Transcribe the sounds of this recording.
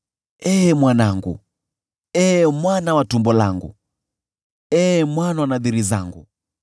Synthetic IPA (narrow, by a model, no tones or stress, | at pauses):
ɛmwanaŋɡṵ | ɛmwanawatumbɔla̰ŋɡṵ | ɛmwanawanaðiɾiza̰ŋɡṵ